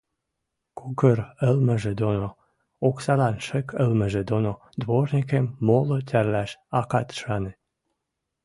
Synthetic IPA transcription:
kukəɾə̆lmə̆ʒed̪ono | oksɑlɑnʃĕkʰəlmə̆ʒed̪ono | d̪βornʲikemːolotʲærlæʃɑkɑt̪ʃɑne

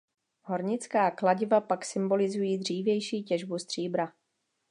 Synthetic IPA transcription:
ɦo̞ɾɲɪt͡skaːklaɟɪvapaksɪmbo̞lɪzujiːd̪r̝iːvjɛjʃiːcɛʒbust̪r̝̥iːbɾa

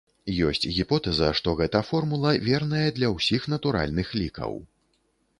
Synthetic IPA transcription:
jɔsʲt͡sʲɣʲipɔt̪ɛzɐ̰ʂt̪ɔɣɛt̪ɐfɔrmulˠɐvʲɛrnɐjɛd̪lʲɐwsʲixnɐt̪uɾa̰lʲnɨxlʲikɐ̰w

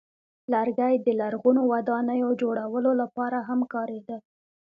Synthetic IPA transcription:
laɾɡajd̪əlaɾɣunowad̪ɑnəjod͡ʒoɽawəlolapɑɾaɦamkɑɾed̪a

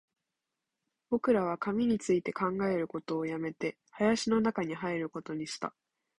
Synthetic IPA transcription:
b̥o̞kɯ̟ɾaβ̞akamʲiɲ̟it͡sɨit̪e̞kãŋɡae̞ɾɯ̟ko̞t̪o̞ːjame̞t̪e̞ | hajaɕino̞nakaɲ̟iɦaeɾɯ̟ko̞t̪o̞ɲ̟iɕi̥t̪a̰

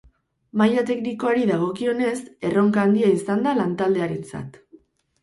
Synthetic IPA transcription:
majat̪e̞kniko̞aɾiðaɣ̞o̞kio̞ne̞se̞ro̞ŋkaːnd̪iaisand̪alant̪ald̪e̞aɾe̞nt͡sa̰t̪

